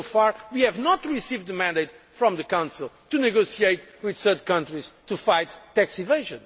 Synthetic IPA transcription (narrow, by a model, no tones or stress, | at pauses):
faɹwihɛvnɔt̪ɹisivd̪ðəmæ̃nd̪eɪt̪ | fɾɔ̃mðəkãʊ̃nsilˠt̪unɨɡosieɪtwiðsɜ˞tkʌ̃ntɹiz̥t̪ufaɪt̪ːæksiveɪʒɨ̃n